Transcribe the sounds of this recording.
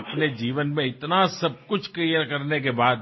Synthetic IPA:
ɐpned͡ʒiːʋənmẽɪt̪nasɐb̚kʊt͡ʃʰklijəɾkɐɾnekebaːd̪

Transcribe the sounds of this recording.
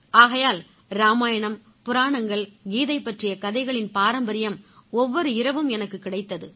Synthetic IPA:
aːɣɐjaːl | ɾaːmaːjɐɳɐm | pʊɾaːɳɐŋɡɐɭɡiːðɐɪpːɐʈrɪjɐkɐðɐɪɣɐɭɪnpaːɾɐmbɐɾɪjɐmɔʋːɔɾɯɪɾɐʋɯmɛnɐkːɯkːɪɽɐɪt̪ːɐðɯ

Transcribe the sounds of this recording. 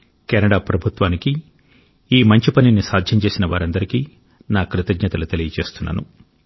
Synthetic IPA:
kɛnɐɽaːpɾɐbʱut̪ʋaːniki | iːmɐɲt͡ʃipɐninisaːd̪ʱjɐɲt͡ʃe̞ːsinɐʋaːɾɐnd̪ɐɾikiː | naːkɾɪt̪ɐɡɲɐt̪ɐlut̪elijɐt͡ʃe̞ːst̪unːa̰ːnṵ

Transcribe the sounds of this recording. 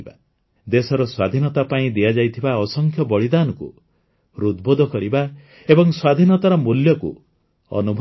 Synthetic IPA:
ba | d̪esɔɾɔswad̪ʱinɔt̪apaĩd̪ijad͡ʒajt̪ʰibaɔsɔŋkʰjɔbɔɭid̪anɔkṵ | ɾud̪bod̪ʱɔkɔɾiba | ebɔŋswad̪ʱinɔt̪aɾɔmuljɔkṵ | ɔ̰nubʱ

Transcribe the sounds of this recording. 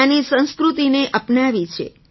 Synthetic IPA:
anisə̃ñskɾut̪ineʔəpnaʋit͡ʃʰḛ

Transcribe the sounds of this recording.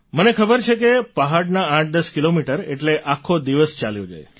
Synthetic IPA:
mənekʰəbəɾt͡ʃʰekepəɦaɽnaãʈ̚d̪əskilomiʈəɾḛʈleʔakʰod̪iʋəst͡ʃaljod͡ʒa̰j

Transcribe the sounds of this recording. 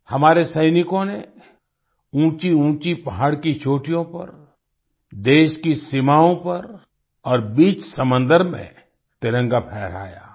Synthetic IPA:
hɐmaːɾesɐɪnɪkõne | ũːt͡ʃiũːt͡ʃipɐɦaːɽkit͡ʃʰoːʈijõpɐ̰ɾ | d̪eːʃkisɪmaːõpɐɾ | ɔːɾbiːt͡ʃsɐmə̃nd̪əɾmḛ̃ | t̪ɪɾə̃ŋɡapʰɛːɾa̰ːja̰ː

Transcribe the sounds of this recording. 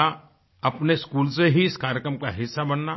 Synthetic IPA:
a | ɐpneskuːlseɦiɪskaːɾjəkɾəmkaɦɪsːabənːa

